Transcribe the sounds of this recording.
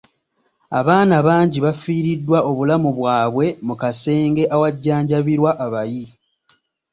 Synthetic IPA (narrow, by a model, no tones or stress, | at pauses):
a̰βaːnaβaːɲɟiβafiːɾidːwaʔo̞βulamuβwaːβwe̞mukase̞ːŋɡe̞ʔawaɟːaːɲɟaβiɾwaʔːβaji